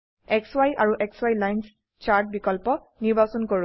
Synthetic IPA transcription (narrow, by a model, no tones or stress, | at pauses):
ɛkswajʔaɹuʔɛkswajlajns | t͡ʃaɹt̚bikɔlpɔ | niɹbasɔnkoɹ